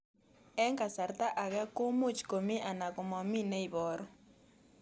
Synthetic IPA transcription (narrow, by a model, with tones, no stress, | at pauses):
ɛ˦ŋka˨sa˨ɾta˦ʔa˨ɣɛ˦ko˦mu˦t͡ʃko˨mi˦ʔa˨na˨kɔ˨mɔ˨mi˦nɛ˦i˨bɔ˨ɾɔ˦